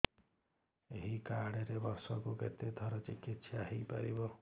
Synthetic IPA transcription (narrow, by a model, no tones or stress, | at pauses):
eɦikaɽ̃eɾebɔɾsɔkukḛt̪ed̪ʱɔɾɔt͡ʃikit̪sjaɦejpa̰ɾibɔ